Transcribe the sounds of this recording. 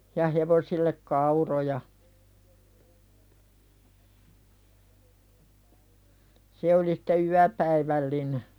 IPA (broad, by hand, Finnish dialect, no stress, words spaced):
jɑ heʋosilːek kɑurojɑ se oli sĭ̥te yæpæiʋælːine